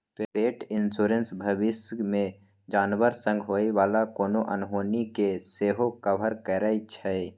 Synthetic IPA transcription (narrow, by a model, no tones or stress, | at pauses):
t̪epeːʈɪnsuːɾensbʱəʋɪsmẽ | d͡ʒaːnʋəɾsə̃ŋɡʱɦoːiʋaːlakoːnoʔənɦoːnikeseːɦokəbʱəɾkɛːɾəit͡ʃʰɛe